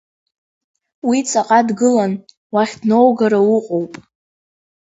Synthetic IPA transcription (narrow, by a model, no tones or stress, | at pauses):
wit͡sʰʼaqʼadɡɨlan | waχʲdnowɡaɾawʊqʼowpʼ